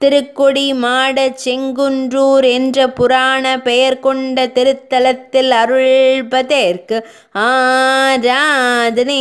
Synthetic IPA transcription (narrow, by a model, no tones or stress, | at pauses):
t̪ɪɾɯkːɔɽimaːɽɐt͡ʃɛŋɡɯndruːɾɛndrɐpʊɾaːɳɐpɛjɐɾkɔɳɖɐt̪ɪɾɯt̪ːɐlɐt̪ːɪlɐɾɯɭbɐðeːɾkɯ | aːɾaːðɪne